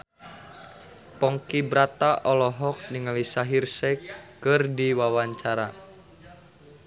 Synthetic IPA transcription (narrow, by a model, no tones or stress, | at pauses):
pɔŋkibɾat̪aʔɔlɔɦɔk̚niŋəlisaɦirsɛkːərdiwawaɲt͡ʃaɾa